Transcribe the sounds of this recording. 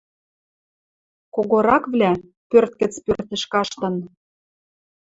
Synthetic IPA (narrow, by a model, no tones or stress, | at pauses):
koɣoɾɑkvlʲæ | pørt̪kə̆t͡spørt̪ɘ̆ʃkɑʃt̪ɤ̆n